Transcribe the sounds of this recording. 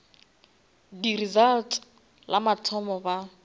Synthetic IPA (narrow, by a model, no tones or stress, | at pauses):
dirizaltʰ | lamatʰɔmɔba